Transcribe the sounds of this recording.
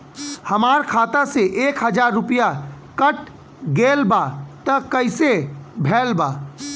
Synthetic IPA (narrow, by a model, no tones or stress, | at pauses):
həmaːɾkʰaːt̪aseʔeːkɦəd͡ʒaːɾːʊpija | kəʈ | ɡeːlbat̪əkəɪsebʱɛːlbaː